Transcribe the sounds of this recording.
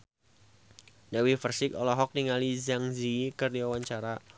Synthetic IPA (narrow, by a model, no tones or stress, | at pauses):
dawifərsɪkɔlɔɦɔk̚niŋalizaŋzikərdiwawaɲt͡ʃaɾa